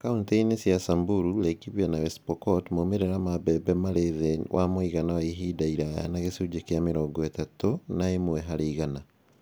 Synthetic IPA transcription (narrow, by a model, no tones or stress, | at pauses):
kaunteinesjasambuɾuɾɛkiβwanawɛspɔkɔtmomeɾeɾamabɛbɛmaɾeðewʔamoiɣanawaiɦidaiɾaa̰naɣesud͡ʒekeameɾɔŋɡɔɛtatonaemwɛɦaɾeiɣana